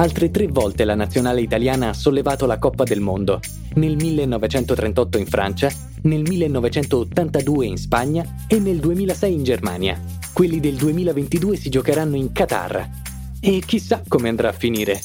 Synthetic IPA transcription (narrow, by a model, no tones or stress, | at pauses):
alt̪ɾet̪ɾevːɔlt̪elanat̪sːjonaːleit̪aljaːnaasːolːevaːt̪olakɔpːad̪elmond̪o | nelmilːenːɔvet͡ʃɛnt̪ot̪ɾent̪ɔt̪ːoiɱfɾʔa̰nt͡ʃa | nelmilːenːɔvet͡ʃɛnt̪oːt̪ːant̪ad̪uːeinspaɲːa | enːeld̪uemiːlasɛjind͡ʒerma̰ːnja̰ | kwelːid̪eld̪uemiːlavent̪id̪uːesid͡ʒokeɾanːoiŋkat̪a̰rːa̰ | ek̟ːisːakːomeand̪ɾaːfːiniːɾe